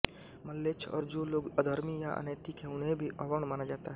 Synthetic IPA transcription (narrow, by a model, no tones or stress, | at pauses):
məlːet͡ʃʰɔ̰ːɾd͡ʒoːloːɡəd̪ʱəɾmija̰ʔə̰neːt̪ikʰɦɛ̃ʊnɦẽbʱiʔɐʋəɳmaːnad͡ʒaːt̪aɦɛ